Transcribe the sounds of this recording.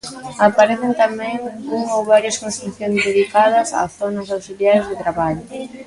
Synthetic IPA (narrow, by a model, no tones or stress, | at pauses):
apaɾeθent̪amɛ̃ŋuŋowβaɾjɐskõnst̪ɾuθjoŋzðeðikaðɐsa̰θonɐsawsiljajzðet̪ɾaβaʎʊ